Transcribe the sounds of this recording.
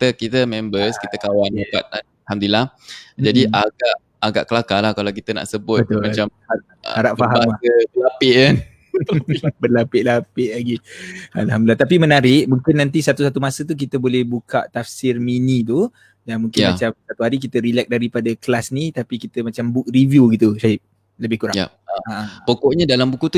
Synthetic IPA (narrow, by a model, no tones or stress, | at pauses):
it̪əkit̪əmɛ̃mbəskit̪əkawandapa̰t̪̚a | hamd̪ulahd͡ʒadiʔaɡaʔːɡaʔkəlakalahkalawkit̪əna̰ʔsəbʊtbət̪̚mat͡ʃamha | aɾaʔfaɦaamlaəbəlapɪʔan | bəlapɪʔlapɪʔlaɡia̰lɦamdəlat̪apimənaɾɪʔmũŋkɪnːant̪̬isat̪usat̪umasət̪̬uk̬it̪əbolɛhbuka̰ʔt̪afsɪrminit̪̬u | janmũŋkɪnmat͡ʃamsat̪uɦaɾik̬it̪əɾilɛk̚daɾipadaklasnit̪apikit̪əmat͡ʃambuk̚rivjuɡit̪uʃaɪp̚ | ləbɪhkuɾaj | apokɔʔɲadalambukut̪u